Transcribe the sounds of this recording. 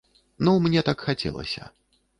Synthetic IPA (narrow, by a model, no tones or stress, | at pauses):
numnʲɛt̪akxat͡sʲɛ̰lˠɐ̰sʲɐ̰